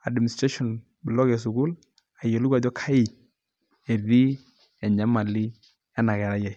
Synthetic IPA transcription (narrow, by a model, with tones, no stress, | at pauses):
a˨dmni˨stɾe˦ʃɔ˨n | blɔ˦ɡɛ˨s̬u˨ɡu˦l | a˨je˨lu˦ɡa˨d͡ʒɔ˦kʰa˦i˨ | e˨ði˦ | ɛ˨ɲa˦ma˨li˦ | a˦na˨ɡɛ˨ɾa˦ja˨j